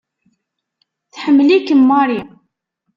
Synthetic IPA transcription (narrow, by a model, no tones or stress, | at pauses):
θħəmːlikːəmːɑɾi